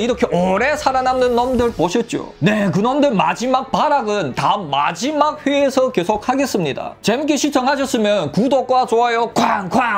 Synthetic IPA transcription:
iɾʌkʰe̞ʔʌɾe̞sʰaɾanamnɯnːʌmdɯɭpoɕʰʌt̚t͡ɕ͈o̰ne̞k̬ɯnʌmdɯɭma̰d͡ʑimak̚p͈aɾaɡɯntaɯmːa̰d͡ʑimak̚ɸɥeːsʰʌke̞sʰok̚haɡe̞s͈ɯmɲida̰t͡ɕemuk͈eɕʰiɭt͡ɕ͈ʰʌŋɦaɕ̬ʰʌs͈ɯmjʌnkudok͈wat͡ɕoɦajokwaŋkwa

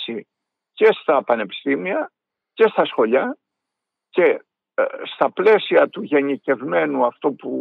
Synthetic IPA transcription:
si | ce̞st̪ɐpɐne̞pi̥st̪imiɐ | ce̞st̪ɐsxo̞ʎɐ | ce̞ | st̪ɐple̞siɐt̪uʝe̞nice̞vme̞nuɐft̪o̞pu

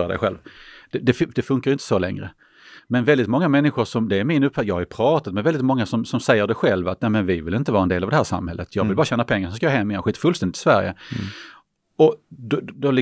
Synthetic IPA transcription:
ɾad̪ɛ̰ɪɧɛ̰lvd̪ɛd̪ɛfd̪ɛfɵŋkaɾɪnt̪ə̥sɔlɛ̰ŋɾə̰ | mɛnvɛld̪ɪt̪mɔŋːamɛnːɪɧʊʂɔmd̪ɛːɾmɪnɵpːfajɑɡhajpʰɾɑːt̪at̪mɛvɛld̪ɪt̪mɔŋːasɔmsɔmsɛjːəɖɛɧɛlvat̪nɛmɛnvɪvɪlɪnt̪əvɑːɾɛndeːlavd̪ɛhæːʂa̰mːhɛ̰lːət̪ʰjɑːɡvɪlbɑːɾaɕɛːnːapʰɛŋːaɾʂsɔmskaɑːɦɛmːɪjɛnɧiːt̪ḁfɵlst̪ɛndɪt̪ʰːɪ̥svæ̰ɾjə̰ | ɔd̪ɔd̪ɔlɪ

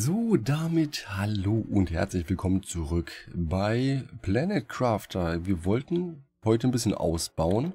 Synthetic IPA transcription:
zoːdamɪthaloːʔʊnthɛ̰ɐt͡slɪçv̥ɪlkʰɔmənt͡suʁʏkbaɪpl̥anɛtkʁ̥aːftʰɐviːɐvɔltn̩ | hɔʏtənbɪsçənʔa̰ʊsb̥aʊən

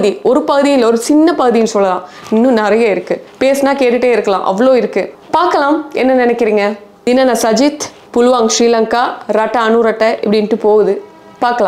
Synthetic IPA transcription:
ðiɔɾɯpɐɣɯðijɪlːɔɾɯsɪnːɐpɐɣɯðijnɯsɔlːɐlãːɪnːɯ̃nɐɾɐjɐɪɾɯkːɯpeːsnaːkeːʈːɯʈːeːɪɾɯkːɐlã̰ːʔɐ̰ʋːɐɭoːɪɾɯkːɯpaːɾkɐlaːmɛnːɐnɪnɛkːɪɾiːŋɡɐ | ɪnːɐnasɐd͡ʒɪt̪ | pʊlʊʋaːŋʂɾiːlɐŋkaːɾɐʈːɐɐnuɾɐʈːɐʔɪ̰pːɐɽɪnʈːɯpoːɣɯðɯ | paːɾkɐlãː

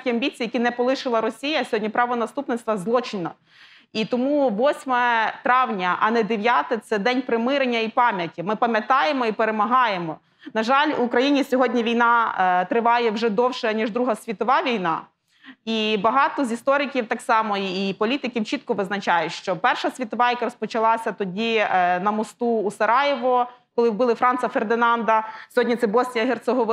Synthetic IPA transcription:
kʲiɐmʲbʲit͡sʲijɐkʲinɛpɔlˠɪʃɪlˠɐɾɔsʲijɐsʲɔɦɔdʲnʲipɾɑʋɔnɐst̪upnɪtst̪ʋɐzlˠɔt͡ʃɪnɔ̰ | it̪ɔmuʋɔsʲmɛt̪ɾɑwnʲɐʔɐnɛd̪eʋʲjat̪ɪt̪sɛd̪ɛnʲpɾɪmɪɾenʲːɐipɑmʲjɐtʲimɪpɐmʲjɐt̪ɑjemɔipeɾemɐɦɑjemɔ | nɐʒɑlʲuːkɾɐjinʲisʲɔɦɔdʲnʲiʋʲijnɑt̪ɾɪʋɑjɛwʒɛd̪ɔwʃɛnʲiʒd̪ɾuɦɐsʲʋʲit̪ɔʋɑʋʲijnɑ̰ | ibɐɦɑt̪ɔzʲist̪ɔɾɪkʲiwt̪ɑksɑmɔiːpɔlʲit̪ɪkʲiwt͡ʃit̪̚kɔʋɪznɐt͡ʃɑjʊtʲʃt͡ʃɔpɛrʃɐsʲʋʲit̪ɔʋɑjɐkaɾɔspɔt͡ʃɐlˠɑsʲɐt̪ɔdʲinɐmɔst̪uːsɐɾɑjɪʋɔkɔlˠɪwbɪlˠɪfɾɑnt̪sɐferd̪ɪnɑnd̪ɐsʲɔɦɔdʲnʲit̪sɛbɔsʲnʲijɐɦert̪sɔɦɔʋ

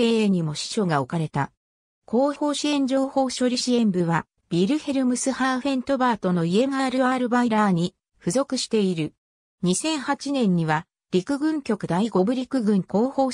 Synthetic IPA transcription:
eeɲ̟imo̞ɕi̥ɕo̞ɡao̞kaɾe̞t̪a | kʰo̞ːo̞ːɕiẽ̞ɲ̟d͡ʑo̞ːho̞ːɕo̞ɾʲiɕiẽ̞mbɯ̟βa | b̥ʲiɾɯ̟he̞ɾɯ̟mɯsɨhaːɸẽ̞nt̪o̞baːt̪o̞no̞ie̞maːɾɯ̟aːɾɯ̟baiɾaːɲ̟i | ɸɯ̟zo̞kɯ̟ɕi̥t̪e̞iɾɯ̟ | ɲ̟isẽ̞ɰ̃hat͡ɕinẽ̞ɲ̟ːiβa | ɾʲikɯ̟ɡɯ̟̃ŋkʲo̞kɯ̟d̪aiɡo̞bɯ̟ɾʲikɯ̟ɡɯ̟̃ŋko̞ːho̞ː

